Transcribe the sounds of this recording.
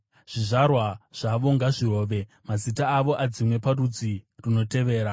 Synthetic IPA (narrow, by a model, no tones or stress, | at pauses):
ʐ̥iʐarwaʐ̥aʋo̞ŋɡaʐiro̞ːʋe̞ | mazitaːʋo̞ʔad͡zimwe̞parud͡zirino̞te̞ʋe̞ːɾa